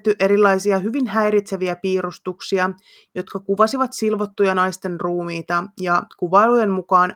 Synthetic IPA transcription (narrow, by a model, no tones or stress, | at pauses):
t̪ːyʔe̞ɾilːɑjsiɑɦyʋinɦæjɾit̪seʋiæpiːɾust̪uksiɑ | jo̞t̪kɑkuʋɑsiʋɑt̪silʋo̞t̪ːujɑnɑjst̪e̞nruːmiːt̪ɑjɑkuʋɑelujemmukɑːn